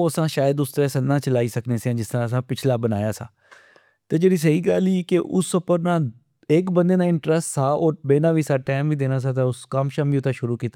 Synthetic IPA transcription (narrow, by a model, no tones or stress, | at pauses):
oːəsãːʃaːjəd̪ʊst̪əɾãːsənːãːt͡ʃəlaːiːsəkneːseãːd͡ʒɪst̪əɾãːəs̬ãːpɪt͡ʃʰlaːbənaːjaːsã̰ː | t̪eːd͡ʒeːɽiːs̬əɦiːɡəlikɪʔʊsːəpəɾnãː | ekbənd̪eːnãːɪɳʈɾəsʈsaːɔːɾbeːnãːʋiːsaːʈɛːmʋiːd̪eːnaːsaːt̪̬aːʊskəmʃəmʋiːʊt̪ʰːãːʃʊɾuːkiːt̪ː